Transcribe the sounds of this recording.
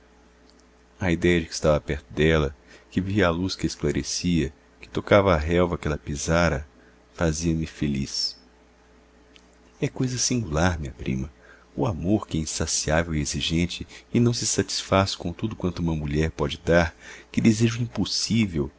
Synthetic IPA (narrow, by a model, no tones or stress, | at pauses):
ɐid̪ɛjɐd͡ʒɪkɪ̥st̪avɐapɛɾt̪ʊd̪ɛlɐkɪviɐaluskɪesklaɾesiɐ | kɪ̥t̪okavɐːɦɛwvɐkɛlɐpizaɾɐ | faziɐmɪfelḭs | ɛkojzɐsĩŋɡulaɾmĩɐpɾḭ̃mɐ | ʊamoɾkɪɛĩsasiavewieziʒẽnt͡ʃɪɪnɐ̃w̃sɪsat͡ʃi̥sfasɪ̥kõt̪ud̪ʊkwɐ̃nt̪ʊũmɐmuʎɛɾpɔd͡ʒɪd̪aɾkɪd̪ezeʒʊĩposivew